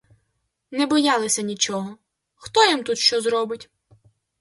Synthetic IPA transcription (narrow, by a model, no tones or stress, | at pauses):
nɛbɔjɑlˠɪsʲɐnʲit͡ʃɔɦɔ | xt̪ɔjimt̪ut̪ʃt͡ʃɔzɾɔbɪtʲ